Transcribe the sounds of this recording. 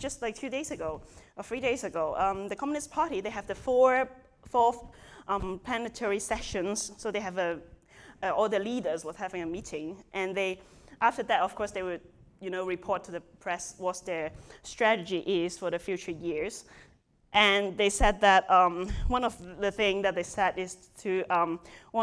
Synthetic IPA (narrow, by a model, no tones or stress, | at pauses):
d͡ʒʌstlaɪk̚fʰjʉdeɪzɨɡoʊəfɹideɪzɨɡoʊʔʌ̃mðɨkʰɑmjɨnɨstpʰɑɹɾiðeɪɨvðɨfɔ | fɔθʔʌ̃mpʰl̥ænɨtʰɛɹisɛʃɨ̃nz̥soʊðeɪɨvə | ʌɔlˠðəlidə˞zwəð̥hævɪ̃ŋəmiɾɪ̃ŋʔɨ̃nðeɪ | ʔaftəðætɔv̥kʰɔɹsðeɪwɨd̚ | jɨnoʊɹipʰɔɹtʰːuðəpʰɹ̥ɛswɔt̚ðəstɹ̥æɾɨd͡ʒiʔɪz̥fə˞ðəfjʉt͡ʃə˞jɪɹz̥ | ʔɨ̃nðeɪsɛd̪̚ðæt̚ʌ̃mwʌ̃nɔvðəθɪ̃ŋðɨt̪̚ðeɪsɛɾɪz̥ | tʰɨʌ̃mwʌ̃